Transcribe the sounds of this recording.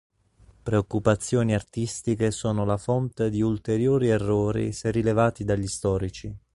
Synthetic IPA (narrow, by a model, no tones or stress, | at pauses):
pɾeokːupat̪sːjoːniart̪ist̪ikesoːnolafɔnt̪ed̪iult̪eɾjoːɾierːoːɾḭserilevaːt̪id̪aʎːist̪ɔːɾit͡ʃi